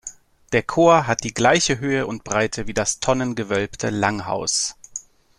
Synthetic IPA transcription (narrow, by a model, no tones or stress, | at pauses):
d̥eːɐkʰoːɐɦat̚d̥iːɡlaɪçəɦøːəʊnt̚b̥ʁaɪtʰəviːdastʰɔnənɡəvœlptʰəlaŋɦa̰ʊs